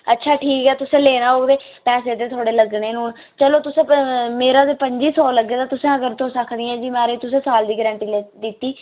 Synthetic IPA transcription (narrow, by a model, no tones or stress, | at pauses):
ətːʃʰaːʈʰiːkɦɛːt̪ʊsẽːleːnaːoːd̪eː | pɛːs̬eːd̪eːt̪ʰoːɽeːləɡneːnũːn | t͡ʃəloːt̪ʊsẽːmeːɾãːd̪eːpəɲd͡ʒiːsɔːləɡːeːt̪aːt̪ʊsẽːəɡəɾt̪õːsəkʰd̪ɪjãːd͡ʒiːmɛ̃ːɾeːt̪ʊsẽːsaːld̪iːɡɾɛ̃ːɳʈiːleːd̪ɪt̪ːiː